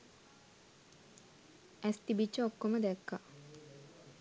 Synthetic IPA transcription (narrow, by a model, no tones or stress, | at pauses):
æst̪ibit͡ʃːəokːoməd̪ɛkːa